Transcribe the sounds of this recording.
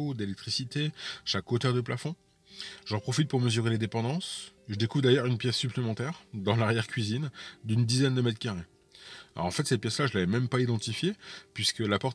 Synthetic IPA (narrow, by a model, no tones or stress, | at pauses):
od̪elɛk̚t̪χisit̪eʃakot̪œʁd̪əplafɔ̃ | ʒɑ̃pχɔfit̪̚puʁməzyʁeled̪epɑ̃d̪ɑ̃sʒəd̪ekuvʁd̪ajœʁynpjɛsːyplemɑ̃t̪ɛʁd̪ɑ̃laʁjɛʁkʲɥizind̪ynd̪izɛnd̪əmɛt̪kaʁḛ | ʁɑ̃fɛt̪sɛt̪̚pjɛslaʒəlavɛmɛmpaid̪ɑ̃t̪ifjepɥiskəlapɔʁt̪